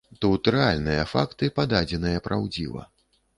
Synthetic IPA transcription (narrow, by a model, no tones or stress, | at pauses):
t̪ɛut̪ɾɨalʲnɨjɐfakt̪ɨpad̪ad͡zʲɛnɨjɐpɾʔawd͡zʲḭvɐ̰